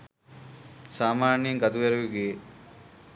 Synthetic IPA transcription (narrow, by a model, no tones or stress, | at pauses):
saːmaːnjeŋɡɐt̪uʋeɾeʋiɡije